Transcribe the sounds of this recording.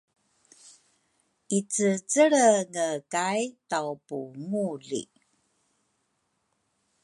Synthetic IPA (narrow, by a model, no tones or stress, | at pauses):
ʔit͡sət͡səɭəŋəkajtawpuŋuɮḭ